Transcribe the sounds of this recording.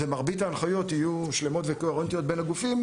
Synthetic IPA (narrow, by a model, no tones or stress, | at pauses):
vemaʁbitaːnχajo̞t̪ijuʃle̞mo̞tvekoeʁent̪ijo̞t̚benaɡufim